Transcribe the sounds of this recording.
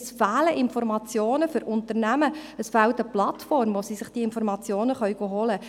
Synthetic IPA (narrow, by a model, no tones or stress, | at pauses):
sfæːləʔɪnfɔɾmɑt͡sjoːnəfʏɾʊnt̪ərnæməəsfæːlt̪əplɑt̪fɔrmʋosisɪχd̥iːɪnfɔɾmɑt͡sjoːnəχœɥɡ̥oːɦɔlə